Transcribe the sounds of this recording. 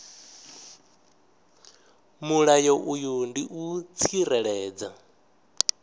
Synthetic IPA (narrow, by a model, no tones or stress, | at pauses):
muɺajɔʔujundiʔut͡sʰirɛɺɛːd͡za